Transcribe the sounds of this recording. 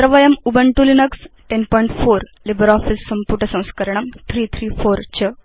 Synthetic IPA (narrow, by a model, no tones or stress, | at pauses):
ɾɐʋɐjɐmubɐɳʈulinɐksʈenpɔjɳʈfoɾlibəɾɔːfisːɐmpuʈɐsɐ̃w̃skɐɾɳ̃ɐmt̪ʰɾiːt̪ʰɾiːfoɾt͡ɕə